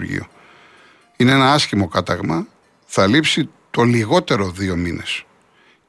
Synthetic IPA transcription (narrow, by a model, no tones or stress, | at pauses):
ɾʝḭo̞̰ | inee̞nɐɐsçimo̞kɐt̪ɐɣmɐ | θɐlipsit̪o̞liɣo̞t̪e̞ɾo̞ðio̞mine̞̰s